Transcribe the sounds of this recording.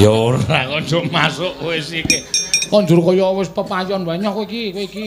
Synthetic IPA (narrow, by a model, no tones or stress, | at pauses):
jɔoɾakɔnd͡ʒɔmasʊʔwesikekɔnd͡ʒuɾkɔjɔwɪspəpajɔnbaɲɔkoikikiki